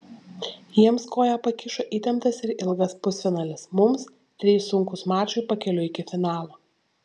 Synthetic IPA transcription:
jiɛmskoːjɛpɐkʲɪʃoːʔiːt̪ʲɛmt̪ɐsɪɾɪlˠɡɐspʊsfʲɪnɐːlʲɪsmʊms | t̪ʲɾʲiːsʊŋkʊsmɑːt͡ʃʊɪpɐkʲɛlʲʊɪkʲɪfʲɪnɑːlˠoː

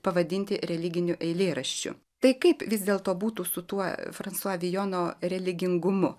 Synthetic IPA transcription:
pɐʋɐd̪ʲɪnʲt̪ʲɪɾʲɛlʲɪɡʲɪnʲʊʔɛɪlʲeːɾɐʃʲt͡ʃʲʊ̰ | t̪ɐɪkɐɪpʋʲɪzd̪ʲeːlˠt̪oːbuːt̪uːsʊt̪uɔfɾɐntsuɔʋʲɪjoːnoːɾʲɛlʲɪɡʲɪŋɡʊmʊ

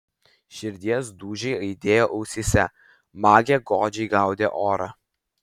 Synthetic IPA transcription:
ʃʲɪɾʲd̪ʲiɛsd̪uːʒʲɛɪɐɪd̪ʲeːjoːʔɐʊsʲɪsʲɛ | mɑːɡʲeːɡɔːd͡ʒʲɛɪɡɑˑʊd̪ʲeʔoːɾɐ

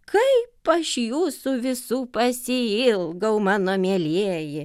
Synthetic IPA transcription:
kʰɐɪpɐʃjuːsuʋʲɪsuːpɐsʲɪɪlˠɡɐʊmɑːnoːmʲeɛlʲeɛjɪ

